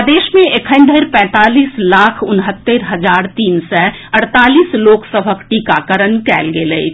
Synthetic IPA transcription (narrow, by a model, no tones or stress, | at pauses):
d̪eːʃmẽʔekʰə̃ɪ̃nd̪ʱəɾpɛ̃ːt̪aːliːslaːkʰʊnɦət̪ːeɾɦəd͡ʒaːɾt̪iːnsɛ | əɽt̪aːliːsloːksəbʱəkʈiːkakəɾənkɛːlɡelḛi